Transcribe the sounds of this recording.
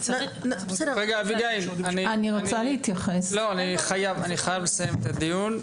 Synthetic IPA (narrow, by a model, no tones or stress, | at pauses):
ʁeɡaːviɡaimanianiʁont͡salehit̪jaχeslo̞aniχajavaniχajavle̞sajemet̪ad̪ijun